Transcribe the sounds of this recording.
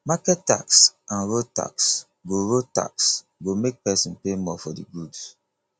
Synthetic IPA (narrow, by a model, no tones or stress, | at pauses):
makɛtta̰ksãnɹota̰ks | ɡoɹota̰ks | ɡomek̚pɛsĩnpemɔfɔdḭɡuds